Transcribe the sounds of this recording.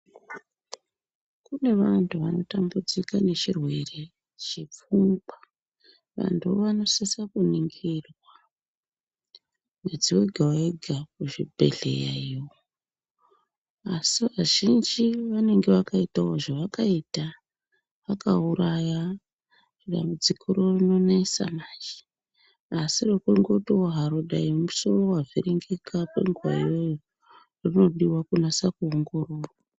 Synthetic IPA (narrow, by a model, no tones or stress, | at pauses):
kune̞ʋantʰuʋano̞tambud͡zikane̞t͡ʃirwe̞re̞ | t͡ʃip͡fumba | ʋa̰ntʰuoʋano̞sesakuniŋɡirwa | mwed͡ziweɡʱawaeɡʱakuʐibʱe̞̰ɮe̞̰jajioo | asiʋaʒind͡ʒiʋane̞ŋɡe̞ʋakaitawoʐaʋakaita | ʋakauɾaja | riɗa̰mbud͡zikʰiɾo̞rino̞naisa̰maːt͡ʃe̥ː | sirekuŋɡotowoɦaɾoɗaimusorowaviriŋɡekʰapḛŋɡuwa̰jo̞jo | rino̞ɗiwakunasakuoŋɡo̞roːrwa